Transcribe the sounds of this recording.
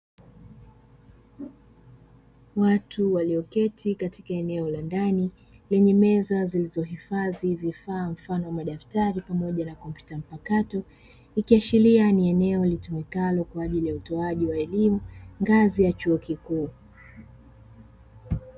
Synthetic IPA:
watʰuwaliɔkɛtʰikatikaɛnɛɔlandani | lɛɲɛmɛzazilizɔɦifazivifaːm̩fanɔwamaɗaftaɾipamɔʄanakɔmpju̥tam̩pakatɔ | ikiaʃilianiɛnɛɔlitumɛkalɔkwaːʄilijautɔaʄiwaɛlimuŋɡazijat͡ʃuɔkikuː

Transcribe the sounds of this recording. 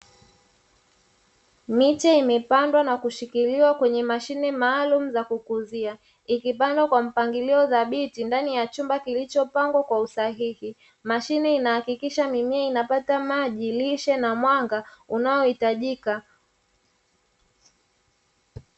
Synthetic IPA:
mit͡ʃaimɛpandwanakuʃikiliwakwɛɲɛmaʃinɛmaːlumuzakukuzia | ikip̬andwakwam̩paŋɡiliɔðaɓitindanijat͡ʃumbakilit͡ʃɔpaŋɡwakwausaɦihi | maʃinɛinahakikiʃamimiainapatamaʄiliʃɛnamwaŋɡaunajɔhitaʄika

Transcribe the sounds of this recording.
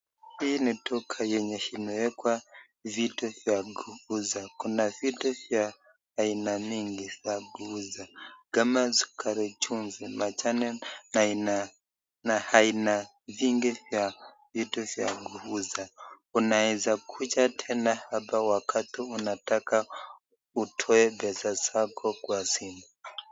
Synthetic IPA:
hinitɔkʰajɛɲɛʃinɔjɛkwa | vitufjaɡuuzakunavitɔfjaː | inamiŋɡifjaɡuuzaɡ̥amazʷi̥kʰaɾɛt͡ʃʰunzimat͡ʃanɛnaina | nahaina | viŋɡifja | vitufja̰ɡuuza | unaɛzakʰut͡ʃatʰɛnahapawakʰatʰiunataka | utʰɔɛbɛsasakʰɔkwasimba

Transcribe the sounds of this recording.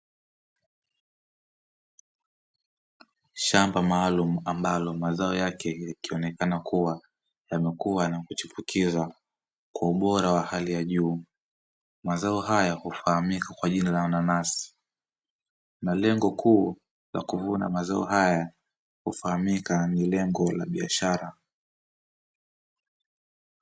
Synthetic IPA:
ʃambamaːlum̩ambalɔmazaɔjakɛjakiɔnɛkanakuwa | jamɛkuwanakut͡ʃupukiza | kwauɓɔɾawahalijaʄuː | mazaɔɦajahufahamikakwaʄinalawananasi̥ | nalɛŋɡɔkʰuː | la̰kuvuna̰mazaɔ̰ɦaja | hufahamikanilɛŋɡɔlaɓiaʃaɾa

